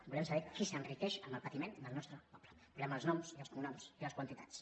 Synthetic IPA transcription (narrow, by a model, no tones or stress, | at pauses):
bulɛmsəβɛkisənrikɛʃəmbəlˠpət̪imend̪əlˠnɔst̪ɾəpɔpləbulɛməlˠznɔmsiəlˠskumunɔmsiləskwənt̪it̪at͡s